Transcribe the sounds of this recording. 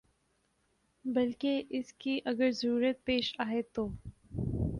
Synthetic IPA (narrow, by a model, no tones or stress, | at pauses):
bɐlkeʔɪskiʔɐɡəɾzɐɾuːɾət̪̚peːʃaːɦet̪oː